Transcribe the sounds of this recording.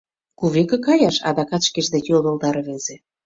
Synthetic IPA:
kuβekĕkɑjɑʃɑ̰d̪ɑkɑt̪ʃkeʒd̪et̪jold̪ɤ̆lˠd̪ɑɾβezĕ

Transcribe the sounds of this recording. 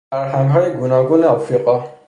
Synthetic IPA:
aɹɦãŋɦɔjɡunɔɡunɛɔfɾiqʼɔ

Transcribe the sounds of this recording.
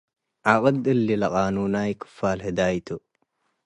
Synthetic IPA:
ʕaqʼɐd̪ɨlːilɐqʼaːnuːnajkʰɨ̥faːlhɨd̪aːjt̪ʰo

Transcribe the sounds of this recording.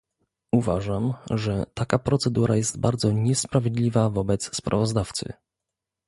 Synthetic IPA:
uvaʐamʐɛt̪akapɾɔt̪sɛd̪uɾajɛst̪baɾd̪zɔɲɛspɾavʲjɛd̪lʲivavɔbɛt̪sːpɾʔa̰vɔzd̪aft̪sɘ̰

